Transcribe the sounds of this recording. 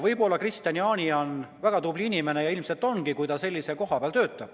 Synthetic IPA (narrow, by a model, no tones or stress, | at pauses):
vɤjbo̞lːɑkrist̪jɑniɑːnʲionvæɡ̥ɑt̪ublinime̞ne̞jɑilmse̞lt̪ːˑo̞nɡikujt̪ɑse̞lʲːise̞ko̞ɦɑpeɑlt̪øːt̪ːˑɑb̥